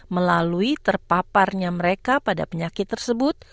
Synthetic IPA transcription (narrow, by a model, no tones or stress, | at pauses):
məlaluit̪ərpaparɲaməɾekapada̰pəɲakɪt̪ːərsəbʊt̪̚